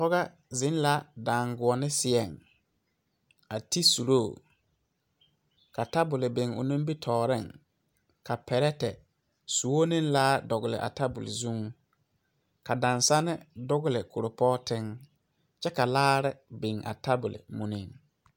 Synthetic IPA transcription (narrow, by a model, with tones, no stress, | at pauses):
pɔ˦ɣa˦ | zɪ̃˦n˦la˦dã˨ŋɡʊ˨ɔ˨nɪ˦sɪ˨ɛ˨ŋ | a˨ti˦su˨ɾo˦˨ | ka˨ta˦bʊ˨lɪ˨be˨ŋʊ̰˨nũ˦m˦bi˦tʰɔː˨ɾɪ˦˨ŋ | ka˨pɛ˨ɾɛ˦tɛ̰˨ | su˨wo˦nɪ̃˦n˦la˦dɔ˨ɣʊ˨lɪ̰˨ʔa̰˨ta˦bʊ˨lɪ̰˨zũ˦ | ka˨dã˨nsa˦nɪ˦dʊ˦ɡʊ˦lɪ˨kʰo˨ɾo˨pɔː˦tɪ˦ŋ | t͡ʃɛ˦ka˨laː˦ɾɪ˦bɪ˨ŋa̰˨ta˦bʊ˨lɪ̰˨mũ˨nɪ˨ŋ